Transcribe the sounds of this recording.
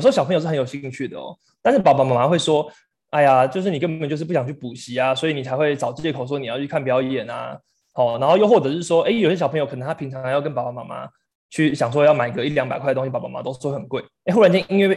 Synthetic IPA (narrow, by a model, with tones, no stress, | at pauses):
jo˨s̩˧˥ɕjpʰŋo˨˧ʂɻ̩˥xjɕi˥˧ŋt͡ɕʰy˥˩d̪ə̰˩ɔ̰˨˩ | t̪a˥˧nʂɻ̩˥˩pa˨˩ma˨˩ma˧˩ma˧˥xwe˥˩ɪʂwɔ˦˥ | a˥˩ɪa˨t͡ɕjo˥˧ʊʂ̬̩˥˩ni˨˩kə˥˩bə˨nt͡ɕo˥˧ʊʂ̩˥˧pu˥˩jɑ˨ŋt͡ɕʰy˥˩pu˨˩ɕi˨˦a˨swɔ˧˥i˨ni˨˩t͡sʰa˧ɪxwe˥˩ɪt͡sɑ˨ʊt͡ɕt͡ɕjkʰo˨˩ʊs̬wɔ˥ni˨˩jɑ˥ʊt͡ɕʰy˥˧kʰnpjɑ˧˥ʊjɛ˨˩na̰˩ | hɔ˥˩na˨˧nxo˥˧jo˥ʊxwɔ˥˩ɤ˧˦ʂɻ̩˥˩ʂwɔ˦ʔe˥˩ɪjo˨ʊɕjɛ˥ɕɑ˨˩pʰŋjkʰə˨˩nə˧˦ŋt̪ʰa˥pʰi˧˦ŋʈ͡ʂʰɑ˧˦ŋjɑ˥˩ʊkə˦npa˨˩˨ma˧˩ma̰˧˦ | t͡ɕʰy˥˩ɕjɑ˨˩ŋʂ̬wɔ˦˥˧ɑ˥ʊma˨˩ɪɡə˧˦i˥ljɑ˦ŋpkʰwdə˩t̪o˥ŋɕi˧˥a˨˩ma˨˩ma̰˧˥t̪o˥ʊ˥xə˩nkwe˥˩ɪe˥ɪxu˥˩a˧˥nt͡ɕɛ˥i˥ŋwe˥˧˩